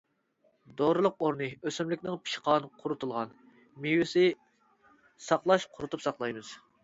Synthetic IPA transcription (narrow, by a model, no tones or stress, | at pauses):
d̪oɾɨlˠʊqoɾnɨøsɪmlɪkʲnɪŋpʰi̥ʃqʰɑːnɨqʰʊɾut̪ʰulˠʁɑn | mijwɪsɪ | sɑqlˠɑʃqʰʊɾut̪upsɑqlˠɑjmɨz̥